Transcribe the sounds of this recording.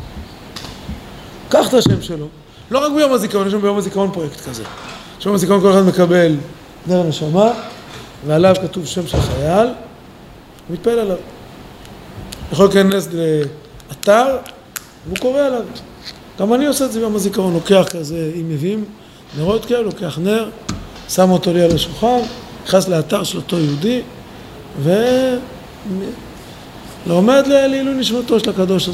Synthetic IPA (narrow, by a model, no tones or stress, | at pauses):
kaχt̪aʃe̞mʃelo̞ | lo̞ʁak̚bejo̞mazikaʁonjeʃ̬ambejo̞mazikaʁonpʁojekt̪kaze | ʃejomazikaonkoleχad̪me̞kabe̞l | d̪eʁne̞ʃama | vealavkat̪uvʃe̞mʃelχajal | umit̪̚paelalav | jaχo̞lkenesd̪le | at̪aʁ | veuko̞ʁealav | ɡ̥amanioseezeɡamazikaʁo̞nlo̞ke̞aχkazeimevim | neʁot̪kelo̞ke̞aχne̞ʁ | samo̞t̪o̞lialaʃulχom | iχasleat̪aʁʃelot̪o̞jeud̪i | ve | lome̞d̪leleiluniʃmat̪o̞ʃelakad̪o̞ʃa